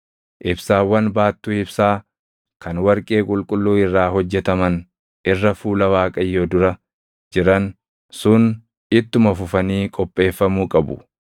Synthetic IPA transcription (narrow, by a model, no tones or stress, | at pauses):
ʔɪbsaːwːɐnbaːt̪ːʊːɪbsaː | kɐnwɐɾkʼe̞ːkʼʊlkʼʊlːuːɪrːaːɦɔd͡ʒːɛt̪ɐmɐn | ʔɪrːɐfuːlɐwaːkʼɐjːoːd̪ʊɾɐ | d͡ʒɪɾɐn | sʊn | ɪt̪ːʊmɐfʊfɐniːkʼɔpʼːe̞ːfːɐmuːkʼɐbʊ̰